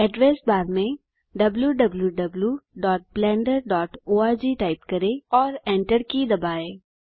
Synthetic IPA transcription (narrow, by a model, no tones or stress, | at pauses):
ɛɖɾeːsbaːɾmẽ | ɖɐbljuɖɐbljuɖɐbljuɖɔːʈ̚blɛ̃ːɳɖəɾɖɔːʈoːaːd͡ʒiːʈaːɪp̚kɐɾẽɔːɾɛ̃ːɳʈəɾkid̪ɐbaːeː